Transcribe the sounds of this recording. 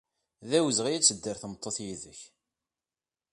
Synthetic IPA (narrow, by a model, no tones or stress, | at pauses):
ðæwəzəʁijæt͡sːəd̪ːəɾθəmət̪ˤːoθjiðəç